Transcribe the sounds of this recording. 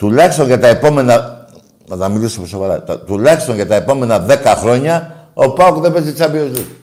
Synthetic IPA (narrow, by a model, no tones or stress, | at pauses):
t̪ulɐçst̪o̞ɲʝɐt̪ɐe̞po̞me̞nɐ | nɐt̪ɐmilisoposovɐɾɐ̰t̪ɐt̪ulɐçst̪o̞ɲʝɐt̪ɐe̞po̞me̞nɐðe̞kɐxɾo̞ɲɐopɐokðepezit͡sɐbiozu